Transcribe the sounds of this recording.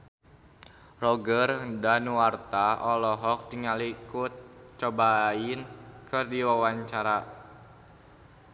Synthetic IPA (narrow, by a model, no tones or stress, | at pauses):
rɔɡərdanuwart̪aʔɔlɔɦɔk̚diŋalikut̪̚t͡ʃɔbainkɨrdiwawaɲt͡ʃaɾa